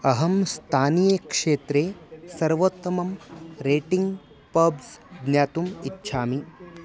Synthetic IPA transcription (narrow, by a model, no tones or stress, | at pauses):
ɐɦɐmst̪ʰaːnijeːkʂeːt̪ɾeːsɐɾʋot̪ːɐmɐmɾeːʈiŋɡ | pɐbsɡ̪njaːt̪umitːʃʰaːmi